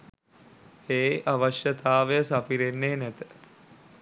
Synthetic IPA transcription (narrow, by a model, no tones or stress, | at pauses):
eːʔaʋəʃjət̪aːʋejəsapiɾenːeːnæt̪ə̥